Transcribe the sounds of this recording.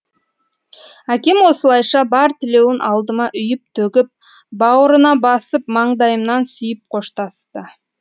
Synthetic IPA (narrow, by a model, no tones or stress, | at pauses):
ækʲe̞mwo̞səlˠɑjʃɑbɑɾt̪ʰɪle̞wɪnʔɑlˠd̪əmɑʔʏjɪp̚t̪ʰɵɡʲɪp̚ | bɑwəɾənɑbɑsəp̚mɑɴd̪ɑjəmnɑnsʏjəp̚qʰo̞ʃt̪ɑst̪ə